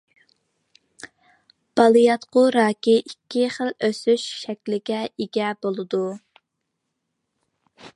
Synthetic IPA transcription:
b̥ɑlˠɨjɑt̪qʊɾɑːkʲiʔikʲʰːiχəløsyʃʃɛkʲlɪɡʲɛiɡʲɛbolˠɨd̪u

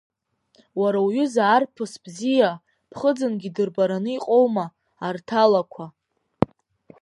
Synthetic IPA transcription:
waɾawɥʏzaːrpʰɨsb̥zija | pʰχəd͡zɨnɡʲidɨrbaɾanɨiqʼo̞wmaː | rtʰalakʷʰa

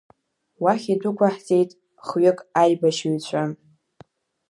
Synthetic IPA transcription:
waχʲidʷʊkʷʰaħze̞jtʼ | χɥʏkʼajbaʃɥit͡ɕʷʰʼa

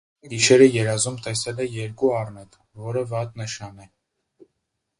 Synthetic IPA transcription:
ɡiʃɛɾəjɛɾɑzumt̪ɛsɛlɛjɛɾkuɑrnɛt̪ | vɔɾəvɑt̪nəʃɑnɛ

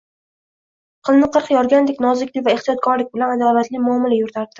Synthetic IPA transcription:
qʰɨlˠnɪqʰɨɾqʰjɒɾɡʲand̪ekʲnɒzɪkʲlɪvaeχt̪ʰijɒt̪̚kʰɒɾlɪk̚ʲbɪlanad̪avat̪lɪmʊɒmalajʊɾt̪ʰaɾd̪ɪ

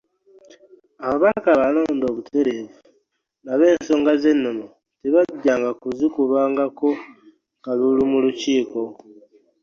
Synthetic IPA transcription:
aβaβakaβalo̞ːndo̞ːβutʰe̞ɾe̞vu | naβe̞ːnso̞ːŋɡaze̞nːomo | tiβaɟːaːŋɡakuzikuβaːŋɡako̞ | ŋɡalulumuluciːko̞

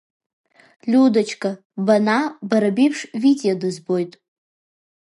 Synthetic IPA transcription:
lʲudat͡ʃʰkʼa | banabaɾabipʰʂvidejodɨzbojtʼ

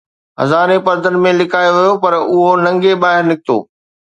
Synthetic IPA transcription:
ɦɐ̰zaːɾepɐɾd̪ʱənɪ̆mẽlɪkʰaːjoʋijopɐɾʊɦonɐ̃ŋɡeɓaːɦɪɾnɪk̚t̪o̰ː

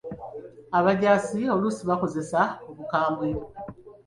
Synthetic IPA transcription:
aβaɟaːsio̞luːsiβako̞ze̞saoβukaːmbwio

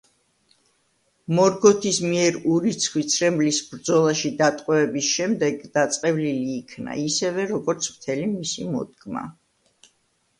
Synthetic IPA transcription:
mɔɾɡɔt̪ʰismiɛɾuɾit̪sʰχwit̪sʰɾɛmblisbɾd̪zɔlˠaʃid̪at̪ʼqʼwɛvɛbisʃɛmd̪ɛɡd̪̥at̪sʼqʼɛvliliːkʰna̰isɛvɛɾɔɡɔɾt̪sʰmt̪ʰɛlimisimɔ̰d̪̚ɡma̰

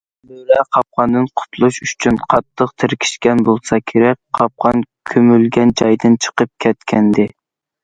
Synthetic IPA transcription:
løɾɛqʰɑp̚qɑnd̪ɨnqʰʊ̥t̪ʰlˠuʃyt͡ʃʰynqʰɑt̪ʰːəqt̪ʰɪɾkʲʰi̥ʃkʲɛnbolˠsɑkʲʰeɾɛk̚ʲqʰɑp̚qʰɑnkʲʰømylɡʲɛnd͡ʒɑjd̪ɨnt͡ʃʰə̥qəp̚kʲʰɛt̪kʲʰɛnd̪ɪ

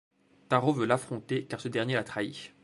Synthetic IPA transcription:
t̪aʁovølafχɔ̃t̪ekaʁsəd̪ɛʁnjelat̪χaḭ

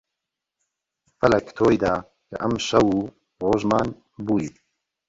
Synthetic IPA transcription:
fɐlɐkt̪ʰoːjd̪aː | kə̰ʔɐmʃɐwuː | ʁoːʒmaːn | buːjit̪

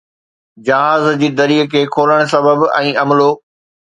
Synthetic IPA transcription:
d͡ʑɐɦaːzd͡ʑiːd̪ɐɾiːkʰeːkʰoːləɽ̃s̬ɐbəbɛ̰̃ːɐmloː

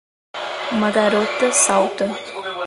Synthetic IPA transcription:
məd̪aɾot̪ːsawt̪

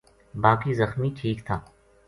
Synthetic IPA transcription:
baːkizəxmiʈʰiːkt̪ʰaː

